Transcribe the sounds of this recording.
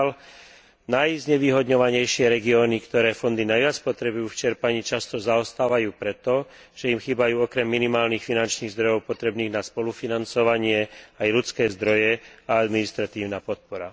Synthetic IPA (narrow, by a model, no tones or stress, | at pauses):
l | najzɲɛʋiːɦɔd̪ɲɔʋaɲɛjʃɪɛɾɛɡiɔːnikt̪ɔɾɛːfɔnd̪inajʋɪat͡spɔt̪ɾɛbujuːft͡ʃɛɾpaɲiːt͡ʃast̪ɔzaɔst̪aːʋajuːpɾɛt̪ɔ | ʒ̥ɛimxiːbajuːɔkɾɛmːinimaːlniːxfinant͡ʃniːɣzd̪ɾɔjɔʊpɔt̪ɾɛbniːɣnaspɔlufinant͡sɔʋaɲɪɛajlut͡skɛːzd̪ɾɔjɛaad̪minist̪ɾat̪iːʊnaːpɔt̪̚pɔɾa